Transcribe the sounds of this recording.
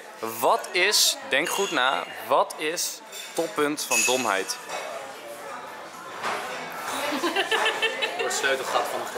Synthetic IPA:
ʋɑtɪsdɛŋkχutna̰ːʋɑtʰɪs | tɔpɵntfɑndɔmɦɛ̰jt | tsløɥtəlχɑtfɑnəχ

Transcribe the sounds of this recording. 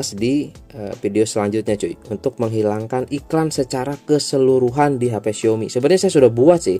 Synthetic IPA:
sdiəfideosəlaɲd͡ʒʊt̪̚ɲat͡ʃuiunt̪ʊk̚məŋɦilaŋkanʔiklansət͡ʃaɾakəsəluɾuɦandiɦapesiomḭsəbat̪ɲasajasudahbuat̪sɪh

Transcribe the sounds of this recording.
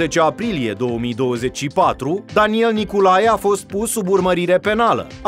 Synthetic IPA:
et͡ʃeapɾilije̞d̪o̞wəmid̪o̞wəze̞t͡ʃʲʃipat̪ɾud̪anie̞lnikulajafo̞st̪̚pusːuburməɾiɾe̞pe̞nalə̰

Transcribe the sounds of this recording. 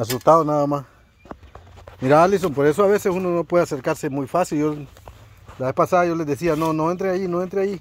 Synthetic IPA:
as̬ust̪aðonaðamas | miɾaalis̬onpoɾe̞s̬oaβe̞sesunono̞pweðeaseɾkaɾsemujfasiljo | laβe̞spasaðajolezðes̬ianonoent̪ɾeajinoent̪ɾeaji

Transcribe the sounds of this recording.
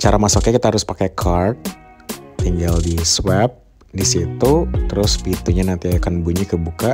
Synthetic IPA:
t͡ʃaɾamasokɲakit̪ahaɾʊspakɛkʰart̪̚ː | iŋɡaldiswɛp̚ | disit̪ut̪əɾʊspit̪uɲanant̪iakanbuɲikəbuka

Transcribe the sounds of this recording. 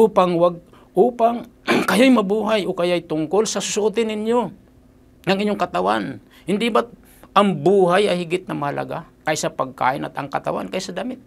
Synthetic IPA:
ʔuːpaŋwaɡ̚ | ʔuːpaŋ | kɐjojmɐbuːɦajokɐjoajt̪ʊŋkolsɐsʊsʊʔut̪ɪnɪɲjo | nɐŋʔɪɲoŋkɐt̪awan | hɪnd̪ɪbat̪ | ʔɐŋbuːɦajɐjhɪɡɪt̪̚nɐmɐhalɐ̰ɡa̰kajsɐpɐɡ̚ka̰ːʔɪnɐ̰t̪ɐŋkɐt̪a̰wa̰nkajsɐd̪aːmɪt̪̚

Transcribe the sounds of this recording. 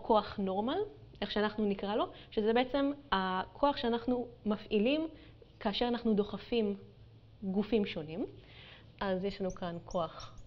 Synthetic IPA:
kʰo̞aχno̞ʁmalʔe̞χʃeanaχnunikʁalo̞ʃezebe̞et͡se̞makʰo̞aχʃeanaχnumafʔilim | kaːʃe̞anaχnudo̞χafim | ɡufimʃo̞nim | ʔazjeʃlanukankʰo̞aχ

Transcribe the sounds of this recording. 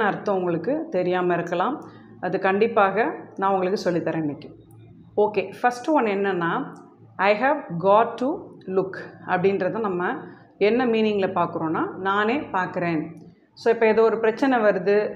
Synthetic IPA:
ɐɾɯt̪ːɐ̃ʊŋɡɐɭɯkːɯt̪ɛɾɪjaːmɐɪɾɯkːɐlãːm | ɐðɯkɐɳɖɪpːaːɣɐnãːʊŋɡɐɭɯkːɯsɔlːit̪ːɐɾɐnːɪkːẽː | oːkeːfɐsʈɔnɛnːɐnːaː | ɐɪɦaːʋɡaːʈːulʊkːɐ̰pːɐɽɪnɾɐðãːnɐmːɐ | ɛnːɐmiːnɪŋɡɪlɐpaːɾkɯɾõːnːaːnaːneːpaːɾkɯɾeːn | soːɪpːɐːɛðoːɔɾɯpɪɾɐt͡ʃːɐnɛʋɐɾɯðɯ

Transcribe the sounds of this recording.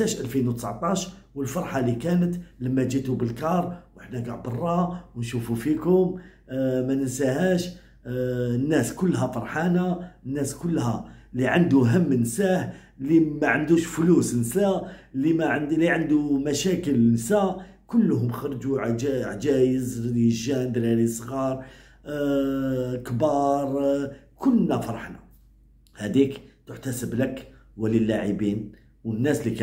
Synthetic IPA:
sæʃʔælfinwt̪ə̥sʕt̪ˤɑʃwəlfɑɾˤħɑlikænət̪ləmːæd͡ʒit̪ubəlkɑɾˤwʔəħnæɡɑʕbɑrˤːɑwnʃufufikʊm | mænəsæhæʃ | ənːæskʊlːɦæfɑɾˤħɑnaənːæskʊlːhæliʕand̪uɦəmːnsæh | limæʕənd̪uʃflusnsælimæʕliʕənd̪umæʃækəlnsæ | kʊlːɦʊmxɑɾˤd͡ʒuʕʕd͡ʒæjəzɾiʒænd̪ɾiɾisˤɣɑɾˤ | kbɑɾˤ | kʊlːnæfɑɾˤɑħna̰ | hæd̪ikt̪əħt̪æsəbləkwæləlːaʕibin | wənːæslikæ

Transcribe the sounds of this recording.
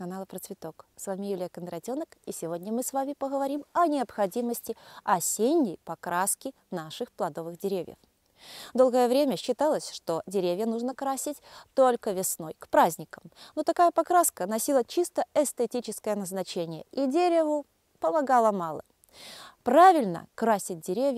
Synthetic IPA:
kɐnalˠəpɾət̪svʲɪt̪o̞ksvamʲɪjulʲɪjəkənd̪ɾɐtʲonəkisʲɪvo̞dʲnʲəmɨsvamʲɪpəɣəvɐɾʲimɐnʲɪɐpxɐdʲiməsʲtʲɪɐsʲenʲːɪjpɐkɾaskʲɪ | naʂɨxplˠɐd̪o̞vɨɣdʲɪɾʲevʲjə̰f | d̪o̞lˠɡəjəvɾʲemʲəɕːɪt̪alˠəsʲʂt̪o̞dʲɪɾʲevʲjənuʐnəkɾasʲɪtʲt̪olʲkəvʲɪsno̞jkpɾazʲnʲɪkəmnot̪ɐkajəpɐkɾaskənɐsʲilˠət͡ɕist̪əɛst̪etʲit͡ɕɪskəjənəznɐt͡ɕenʲɪjə̰idʲeɾʲɪvʊ | pəmɐɡɑlˠəmɑlˠə̰ | pɾavʲɪlʲnə̰kɾasʲɪt̚ʲdʲɪɾʲevʲj

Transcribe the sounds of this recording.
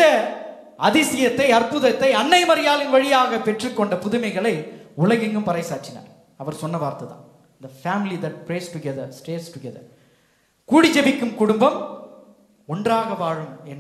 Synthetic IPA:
ɐ | ɐðɪsɪjɐt̪ːɐɪɐrpɯðɐt̪ːɐɪɐnːɐɪmɐɾɪjaːlɪnʋɐɻɪjaːɣɐpɛʈrɯkːɔɳɖɐpʊðʊmɐɪɣɐɭɐɪʊlɐɣɛŋɡɯmpɐɾɐɪsaːʈt͡ʃːɪna̰ːɾ | ɐʋɐɾsɔnːɐʋaːɾt̪ɐt̪ã̰ː | nd̪ɐfaːmɪlid̪ɐʈ̚pɾeːsʈʊɡɛðɐɾsʈeːɾsʈʊɡɛðɐ̰ɾ | kuːɽɪd͡ʒɛʋɪkːɯmkʊɽʊmbɐm | ɔndraːɣɐʋaːɻɯmɛn

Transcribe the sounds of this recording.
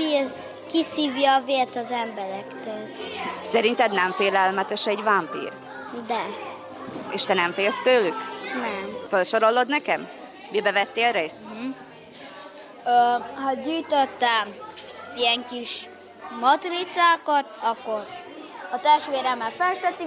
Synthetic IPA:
is | kisiːvjɒːveːlt̪ɒzɛmbɛɾɛkt̪øːlsɛɾint̪ɛd̪nɛɱfeːlɛlmɛt̪ɛʃɛɟvampḭːr | d̪ɛ | eːʃt̪ɛnɛɱfeːlst̪øːlyknɛfølʃoɾo̞lːo̞d̪nɛkɛmː | ibɛvɛt̪ːeːlɾeːst̪ | øhɒɟyːjt̪øt̪ːɛ | iɛŋkiʃ | mɒt̪rit̪saːkɒt̪ɒkːo̞ɾ | ɒt̪ɛʃʋeːɾɛmːɛlfɛʃt̪ɛt̪ːy

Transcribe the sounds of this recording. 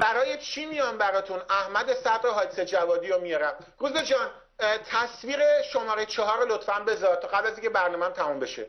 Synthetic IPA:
bæɾɒːje̞t͡ʃʰimijɒːnbæɾɒːt̪ʰunæhmæd̪e̞sæd̪ɾeɦɒːd̪esed͡ʒævɒːd̪iːɾomijɒɾæm | ɾuːzbed͡ʒɒːn | t̪ʰæsviːɣe̞ʃo̞mɒːɾejt͡ʃʰɒɦɒːɾolot̪fænbe̞zɒɾt̪ʰɒɣæblæziŋcʰebæɾnɒːmæmt̪ʰæmumbe̞ʃe

